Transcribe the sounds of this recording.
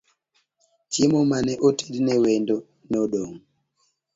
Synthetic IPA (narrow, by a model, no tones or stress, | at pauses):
t͡ʃimɔmanɛʔoteɗinɛwɛndɔ | nɔɗoŋ